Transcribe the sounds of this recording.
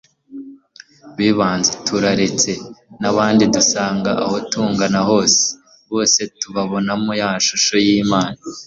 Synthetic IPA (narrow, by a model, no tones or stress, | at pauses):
βiːβaːnzetʰuɾaɾet͡se̞naβaːndidusaːŋɡaaho̞tuːŋɡanaɦo̞ːse̥ | βo̞ːse̞tuβaβo̞namujamaʃuʃo̞jiːmaːna